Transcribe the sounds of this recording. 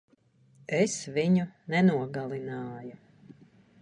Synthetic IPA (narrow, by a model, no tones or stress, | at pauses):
esviɲunɛnuɔɡalˠinɑːju